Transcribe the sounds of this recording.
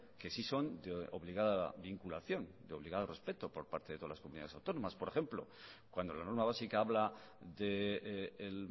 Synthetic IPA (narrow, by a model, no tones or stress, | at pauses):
ke̞siso̞nd̪eo̞βliɣaða̰βiŋkulaθjo̞nd̪eo̞β̞liɣaðore̞spe̞t̪o̞po̞ɾpaɾt̪e̞ðet̪oala̰skomuniðaesawt̪o̞nomaspo̞ɾe̞xe̞mplo̞̰ | kwand̪o̞lano̞ɾmaβasikaaβla | ðeel